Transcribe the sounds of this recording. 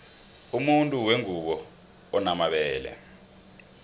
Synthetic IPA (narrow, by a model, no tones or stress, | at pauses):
umuntʼuweŋuɓɔ | ɔnamaɓɛːlɛ̰